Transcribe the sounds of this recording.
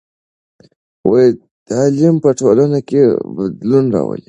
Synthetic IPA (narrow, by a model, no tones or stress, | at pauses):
woji | t̪alimpəʈolanakebad̪lunɾɑ̰wə̰li